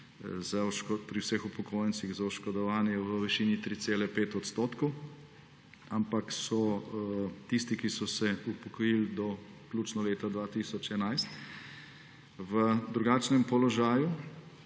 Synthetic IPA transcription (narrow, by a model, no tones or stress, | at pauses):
zaɔʃkɔpɾiwsəxupɔkʰoːjɛnt̪siɣzaɔʃkɔd̪ɔʋaːnjɛʋəʋɛʃiːnit̪ɾit̪seːlɛpeːt̪ɔt̪st̪oːt̪kɔw | ampaksɔ | t̪ist̪ikisɔsɛupɔkɔjild̪ɔkluːt͡ʃnɔleːt̪ad̪ʋaːt̪isɔt͡ʃɛnajst̪ | ʋəd̪ɾuɡaːt͡ʃnɛmpɔlɔʒaːju